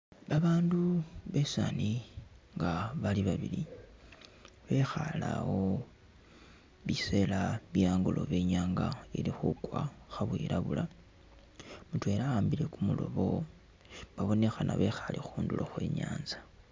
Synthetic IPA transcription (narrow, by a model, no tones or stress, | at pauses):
βaβaːnduβe̞saniŋɡaβaliβaβili | βe̞xalawo̞ | βise̞laβjaːŋɡulʔo̞̰βe̞ːɲaːŋɡailixukwaxaβwiɾaβula | mutwe̞laaːmbile̞kumulo̞̰βo̞ | baβo̞ne̞xanaβe̞xalʔixuːnduloxwe̞̰ːɲaːnzḁ